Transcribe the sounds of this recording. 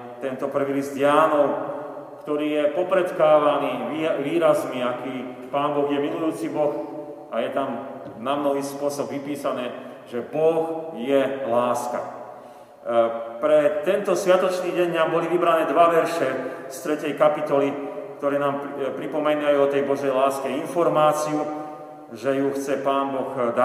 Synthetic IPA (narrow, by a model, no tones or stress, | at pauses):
t̪ɛnt̪ɔpr̩ʋiːlizd̪jaːnɔʊ | kt̪ɔɾiːjɛpɔpɾɛt̪kaːʋaniːʋiːɾazmiakiː | paːnbɔɣjɛmilujuːt͡sibɔxʔajɛt̪amnamnɔʋiːspʊɔsɔbʋipiːsanɛː | ʒɛbɔxjɛlaːska̰ | pɾɛt̪ɛnt̪ɔsʋɪat̪ɔt͡ʃniːɟɛɲambɔliʋibɾanɛːd̪ʋaʋɛɾʃɛst̪ɾɛcɛjkapit̪ɔlikt̪ɔɾɛːnaːmpɾipɔmɛnajuɔt̪ɛjbɔʒɛjlaːskɛinfɔɾmaːt͡siu | ʒɛjuxt͡sɛpaːnbɔɣd̪a